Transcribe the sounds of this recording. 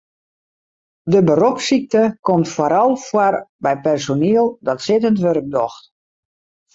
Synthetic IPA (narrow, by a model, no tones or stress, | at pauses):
dəbəɾɔksik̚təkomtfaɾɔlˠfwarbɛjpɛrsoniəlˠdɔtsɪtəntʋørk̚dɔxt